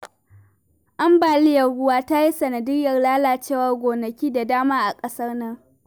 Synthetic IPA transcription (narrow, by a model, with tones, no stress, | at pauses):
ʔa˦mbaː˨lɪ˦jɐ˨rɽʊ˦waː˦ta˦ji˦sɐ˨nɐ˨dɪ˦jɐ˨rlaː˦laː˨t͡ʃeː˦˨wɐ˨rɡʷoː˨nɐ˨kʲiː˦da˨daː˦maː˦ʔa˨kʼɐ˦sɐ˦rnɐ˦ŋ